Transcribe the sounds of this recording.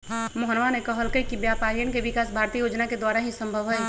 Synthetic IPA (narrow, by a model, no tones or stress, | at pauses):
məɦənʋanekəɦəlkəikibjapaːɾijənkeʋɪkaːsbʱaːɾt̪iəjoːd͡ʒnaked̪waːɾaɦisə̃mbʱəʋɦəj